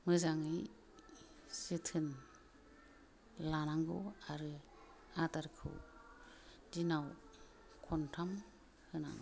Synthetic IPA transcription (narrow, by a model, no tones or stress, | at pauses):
mɯzaŋɯ | sɯtʰɯn | lanaŋɡo̰waɾɯ | ataɾkʰɯ̰w | dinaw | kʰɔntʰam | hɯna̰ŋ